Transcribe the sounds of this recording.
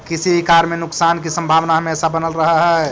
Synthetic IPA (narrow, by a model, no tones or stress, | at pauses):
kisibʱikaɾmenʊksaːnkisə̃mbʱaːʋnaɦəmesabənəlɾəɦəɦɛ